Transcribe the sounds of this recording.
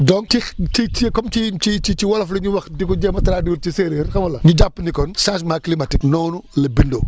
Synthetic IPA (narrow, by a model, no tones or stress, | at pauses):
dɔntixt͡ʃit͡ʃikɔmt͡ʃit͡ʃit͡ʃit͡ʃiwɐlɐflɐɲuwɐxdikɔɟɛːmɐtɐɾaːdiwult͡ʃiseːɾeːrxɐmɐlɐɲuɟapːnikɔnsas̬maːklimatiknɔːnulɐbindo